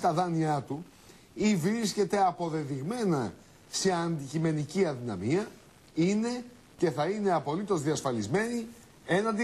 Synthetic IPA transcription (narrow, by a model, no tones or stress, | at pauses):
t̪ɐðɐniɐt̪u | ivɾisce̞t̪e̞ɐpo̞ðe̞ðiɣme̞nɐ | se̞ɐnd̪icime̞niciɐnðinɐ̰miɐ | ine̞ | ce̞θɐine̞ɐpo̞lit̪o̞zðiɐsfɐlizme̞ni | e̞nɐd̪i